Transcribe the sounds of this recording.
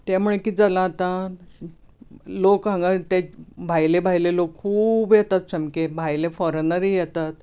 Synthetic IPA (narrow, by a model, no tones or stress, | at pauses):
t̪ɛm̤uɭekiːd͡zalaːt̪a | lokãŋɡat̪ẽbʱajlebʱajlelokkʰːuːbjɛt̪at̪səmkebʱajlefɔɾənəɾijɛt̪at̪